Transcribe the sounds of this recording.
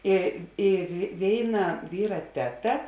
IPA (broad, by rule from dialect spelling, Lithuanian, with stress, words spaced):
ɪ ɪr ˈʋʲeːɪˌnɐ ˈʋʲiːrɐ ˈtʲæːˌtɐ